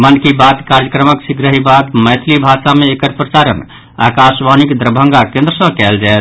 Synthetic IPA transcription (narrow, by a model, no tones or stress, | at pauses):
mənkibat̪kaɾd͡ʒəkɾəməksiɡɾəɦibat̪məjt̪ʰlibʱasameekəɾpɾəsaɾə̰n | a̰kasʋanikd̪ɾəbʱə̃ŋɡakẽnd̪ɾəsə̃kɛld͡ʒaet̪ʰ